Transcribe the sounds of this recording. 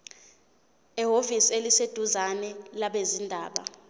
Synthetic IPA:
ɛɦovisielised̥ʱuzanɛlaɓezindʱaːɓa̰

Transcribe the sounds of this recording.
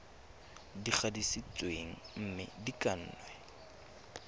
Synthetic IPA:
dik͡xʰadisit͡sweŋ̩m̩mɪ̰dikʼan̩ːnwɛ

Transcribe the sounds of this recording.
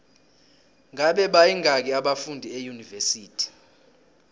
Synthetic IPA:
ŋaɓɛɓajiŋʱak̬iaɓafundʱiejunivesiːtʰi̥

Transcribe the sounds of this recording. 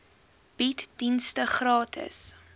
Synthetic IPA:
b̥itdinstəχrɑːtʰə̰s

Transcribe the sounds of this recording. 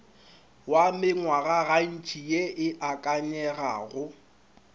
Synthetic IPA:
wamɪŋwaɣaɣan̩t͡ʃʼijeʔɪʔakʼaɲɛɣa̰ɣʊ

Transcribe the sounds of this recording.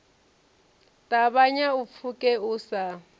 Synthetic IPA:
tʼaβaɲaup̪fʰukʼɛusa

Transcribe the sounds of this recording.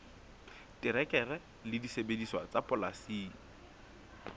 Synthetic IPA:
tɪɾɛkʼɛrɛ | lɪdisebediswat͡sapʼʊlasiː

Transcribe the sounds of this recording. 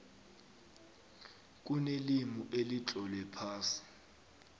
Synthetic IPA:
k̬ʼunelimuʔelit͡ɬʼɔlwɛpʰaːsi̥

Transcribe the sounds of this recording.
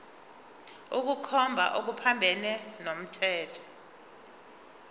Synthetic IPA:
uk̬ukʰɔmbʱa̰ʔok̬upʰambʱɛnɛnom̩tʰɛːtʰɔ̥

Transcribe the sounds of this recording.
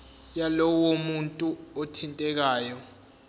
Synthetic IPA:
jalɔwomuntʼuotʰintʼɛk̬aːjɔ

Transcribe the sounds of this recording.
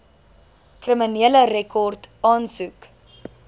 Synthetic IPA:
krəminiələɾɛkʰɔrtɑːnsuk

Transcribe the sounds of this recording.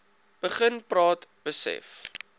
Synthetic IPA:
b̥əχənprɑːtb̥əsɛ̰f

